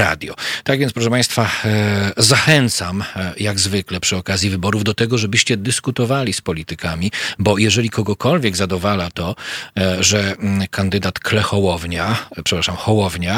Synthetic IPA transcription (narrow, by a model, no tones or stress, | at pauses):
a̰d̪ʲjɔ̰t̪aɡvʲɛnspɾɔʂɛpaj̃st̪fa | zaxɛnt̪samjaɡzvɘklɛpʂɘɔkazʲjivɘbɔɾuvd̪ɔt̪ɛɡɔʐɛbɘɕt͡ɕɛd̪ɘskut̪ɔvalʲispɔlʲit̪ɘkamʲibɔjɛʐɛlʲikʰɔɡɔkɔlvʲjɛɡzad̪ɔvalat̪ɔ | ʐɛkʰand̪ɘd̪at̪klɛxɔwɔvɲapʂɛpɾaʂamxɔwɔvɲa